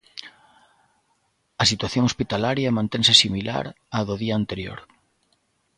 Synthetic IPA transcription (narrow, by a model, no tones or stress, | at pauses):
ɐsit̪waθjoŋospit̪alaɾjɐmãnt̪eŋsɪsimila̰ɾ | aðoðiaːnt̪eɾjo̰ɾ